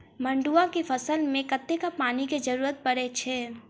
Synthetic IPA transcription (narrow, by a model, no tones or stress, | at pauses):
mə̃ɳɖuakefʰəsəlmẽkət̪ːekapaːniked͡ʒəɾuːɾət̪̚pəɽet͡ʃʰeː